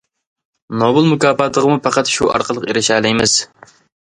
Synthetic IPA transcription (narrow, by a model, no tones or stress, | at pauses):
nobɨlˠmukʲɑːpɑt̪ʰəʁəmupɑqɑt̪ʃuʔɑ̰ɾqəlˠəqeɾɪʃæːlˠɪjmɪz̥